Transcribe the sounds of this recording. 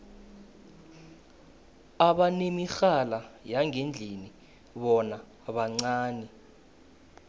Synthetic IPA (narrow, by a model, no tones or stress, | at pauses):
aɓanemixalajaŋʱend͡ɮʱini | ɓɔna | ɓaŋ͡ǀaːnɛ